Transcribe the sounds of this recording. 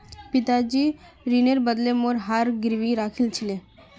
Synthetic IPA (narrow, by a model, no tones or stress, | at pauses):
pit̪ad͡ʑiː | ɾineɾbəd̪lemoɾɦaɾɡiɾʋiɾakʰilt͡ɕʰile